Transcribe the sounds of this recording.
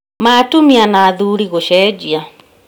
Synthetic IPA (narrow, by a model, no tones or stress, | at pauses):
maːtumianaːðuɾiɣoʃɛd͡ʒia